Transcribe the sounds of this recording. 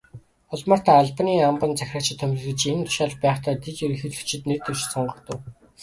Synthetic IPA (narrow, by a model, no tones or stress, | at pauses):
ʊɮmɔ̆ːr̥t̪ʰaːɮpaniːampə̆nt͡sæxʲrăːt͡ɕɪ̆t̪ʰːœmʲrɘ̆ɮɘ̆t͡ɕent̪ʰʊ̥ʃaːɮ̆χpæːχt̪ʰæːt̪et͡ɕiɾɘ̆xĕɮɘ̥̆t͡ɕʰɪ̆t̪nert̪ɵwʃsɔɴɢɞ̆kt̪ə̆w